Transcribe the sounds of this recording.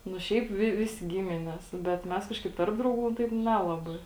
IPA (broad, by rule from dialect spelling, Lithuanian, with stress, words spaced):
nʊ ˈʃʲɛɪp ˈʋʲɪ ˈʋʲɪsʲɪ ˈɡʲɪmʲɪnʲɛs bʲɛt ˈmʲɛs ˈkɑːʃkɐɪp ˈtɐrp drɐʊˌɡuː ˈtɐɪp ˈnʲæːlˠɐbɐɪ